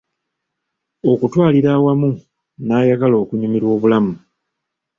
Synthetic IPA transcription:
o̞kutwaːliɾaːwamu | naːjaɡalo̞ːkuɲumiɾwo̞ːβulamu

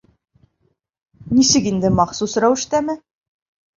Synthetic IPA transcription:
nisɘkind̪ɘmɑqsusɾæwɘ̆ʃt̪æmɘ

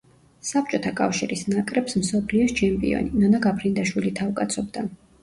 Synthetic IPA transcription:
sap̚t͡ʃʼɔt̪ʰakʼa̰fʃiɾisnakʼɾɛpsmsɔpʰliɔst͡ʃʰɛmpʼḭɔ̰ninɔnaɡapʰɾind̪aʃwilit̪ʰavkʼat̪sʰɔbd̪a

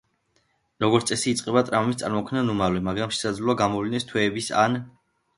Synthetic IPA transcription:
ɾɔɡɔɾt̪sʼɛsiːt̪sʼqʼɛbat̪ʼɾammist̪sʼaɾmɔkʰvnanumalɛmaɡɾamʃɛ̥sad̪zluaɡamɔvlinɛst̪ʰwɛːbisa̰n

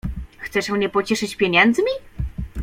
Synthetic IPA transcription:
xt̪sɛʂmɲɛpɔt͡ɕɛʂɘt͡ɕpʲjeɲɛnd̪zmʲi

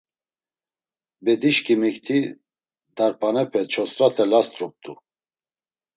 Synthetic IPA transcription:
bɛd̪iʃkʰimɛkt̪ʰi | d̪aɾpʰʼanɛpʰɛt͡ʃʰɔsɾat̪ʰɛlast̪ɾup̚t̪u

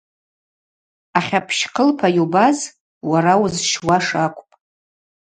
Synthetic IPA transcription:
aχʲapʰʃqʰəlpʰajubaz | waɾawʊzʃwaʂakʷʼpʼ

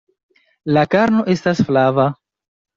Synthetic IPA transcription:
lakaɾno̞ʔe̞stasflava

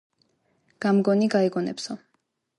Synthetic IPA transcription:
ɡ̥amɡɔniɡaɛɡɔnɛ̰psɔ

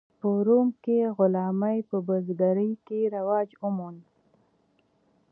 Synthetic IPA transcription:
pəɾumkeɣʊlɑmajpəbəzɡaɾəjkeɾawɑd͡ʒumun

